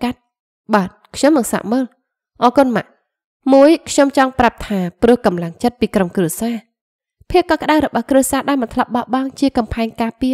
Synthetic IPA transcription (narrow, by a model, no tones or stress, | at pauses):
kat̪̚ | ɓaːt̪̚kʰɲomnɨŋsa̰ːʔməːl | ʔɑːkʊnma̰ʔ | muəjkʰɲomt͡ɕɑŋprap̚t̪ʰaːprɨ̆əhkɑmlaŋt͡ɕət̪̚piːkromkruəsaː | pʰiək̚ːɑkə̆ɗaəwɾɔɓɑhkrɨəsaːɗaɛlmɨnt̪ʰlɑp̚ɓɑʔɓɑŋt͡ɕiəkɑmpʰaɛŋkaːpiə